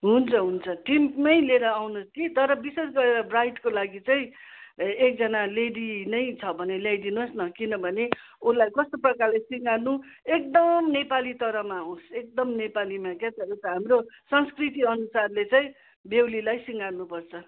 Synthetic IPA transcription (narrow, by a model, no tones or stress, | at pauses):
ɦunt͡sʰʌɦunt͡sʰʌʈimmʌjleɾʌawnoskit̪ʌɾʌbises̬ɡʌɾeɾʌbrajʈkolaɡit͡saĩ | ek̚d͡zʌnaleɖinʌjt͡sʰʌbʱʌnelajd̪inosnʌkinʌbʱʌne | ulajkʌst̪oprʌkarlesiŋɡanu | ek̚d̪ʌmnepalit̪ʌɾʌmaɦõsek̚d̪ʌmnepalimakat̪ʌɾʌt̪ʌɦamrosʌnskrit̪iʌnusarlet͡saĩ | bewlilajsiŋɡanupʌrt͡sʰʌ